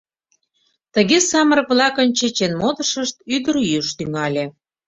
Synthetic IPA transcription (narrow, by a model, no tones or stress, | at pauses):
t̪ə̆ɣesɑməɾə̆kβlɑkənt͡ɕet͡ɕenmod̪ə̆ʃəʃt̪yd̪əɾjyʃt̪yŋɑlʲe